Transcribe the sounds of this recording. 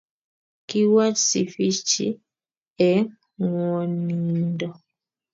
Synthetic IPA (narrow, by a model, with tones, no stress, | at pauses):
ki˦wa˦tsḭ˨fi˦t͡ʃḭ˦ | ɛ˨˦ | ŋɔ˨ni˨dɔ˦